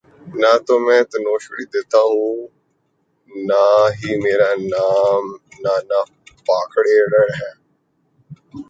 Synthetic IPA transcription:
naːt̪oːmɛ̃ːt̪ɐnoːʃɽiːd̪eːt̪aːɦũː | naːɦiːmeːɾaːnaːmnaːnaː | paːkʰɽeːɽəɽɦɛ̃ː

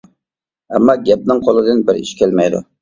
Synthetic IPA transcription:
ɛmːɑɡʲɛp̚nɪŋqʰolˠɨd̪ɨnbɪɾḭʃkʲʰɛlmɛjd̪ʊ̰

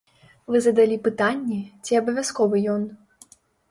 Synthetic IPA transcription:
vɨzɐd̪alʲipɨt̪anʲːɛt͡sʲiɐbɐvʲaskɔvɨjɔn

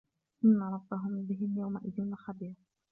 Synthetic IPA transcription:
ʔɪnːaɾˤɑbːaɦʊmbɪɦɪmjawmaʔɪðɪnaxabiːɾ

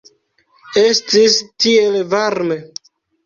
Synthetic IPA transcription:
e̞stistie̞lvaɾme̞

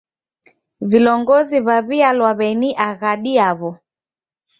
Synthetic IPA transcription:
vilɔŋɡɔziβaβialwaβɛniʔaɣaɗiaβɔ

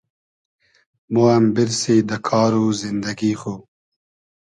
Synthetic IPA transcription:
moambɪɾsid̪əkʰɑːɾuzɪnd̪ɐɡixoː

